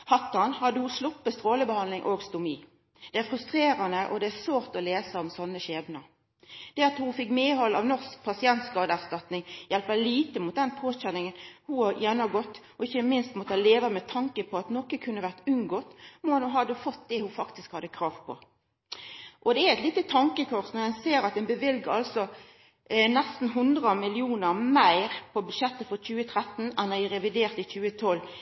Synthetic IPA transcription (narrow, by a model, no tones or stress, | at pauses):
hɑt̪ːɑnhɑd̪ːəhʊslʊpːəst̪ʁoːləbəhɑnlɪŋʔoːɡst̪ʊmiː | d̪̥ɛæɾfʁʉst̪ʁeːɾɑnəʔɔ̰d̪ɛæʁsʋoːʁt̪ɔleːsəɔmsɔnːəɕeːbnɑ | d̪̥ɛɑt̪hufɪkmeːɦɔlɑ̰ʋnɔsk̚pʰɑsɪɛnt̪skɑːd̪əæʁst̪ɑt̪nɪŋjɛlpəliːt̪əmʊt̪̚d̪ɛnpʰoːɕɛnɪŋənhuɑjɛnɑɡɔt̪ː | ɔɪçːəmɪnst̪mɔt̪əhɑleːʋəmɛt̪ʰɑŋkəpʰɔɑt̪nɔkəkʰʉnːəʋæʁt̪ʉŋɡoːt̪mɔɑnʊɦɑd̪ːəfɔt̪̚d̪ɛhʊfɑkt̪ɪskhɑd̪əkʰɾɑːʋpʰɔ̰ | ʔɔd̪ɛæɛɪt̪liːt̪ət̪ʰɑŋkəkʰɔʁsnɔɾɛnseːɾɑt̪̚d̪ɛnbəʋɪlɡəɾɑlsɔ | nɛst̪n̩ɦʉnd̪ʁəmɪlɪuːnəɾmæɪɾpʰɔbʉd̪ʃɛt̪ːəfɔɾc͡çʉːət̪ʰɾɛt̪n̩ɛnːɔɪɾɛʋɪd̪eːʁt̪ɪçʉːət̪ʰɔlː